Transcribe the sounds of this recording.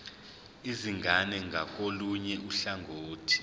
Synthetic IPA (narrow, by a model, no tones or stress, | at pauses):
iziŋɡʱanɛŋɡʱak̬ʼoluɲɛʔuɬaŋʱoːtʰi̥